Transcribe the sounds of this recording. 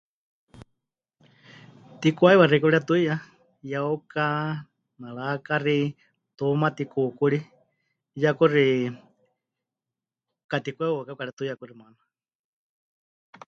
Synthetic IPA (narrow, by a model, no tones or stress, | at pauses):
t̪ikʷaiβarikuɺiat̪uija | jauka | naɺakari | t̪umat̪ikukuɺi | jakuri | kat̪ikʷɛuakakaɾiat̪ujakurimana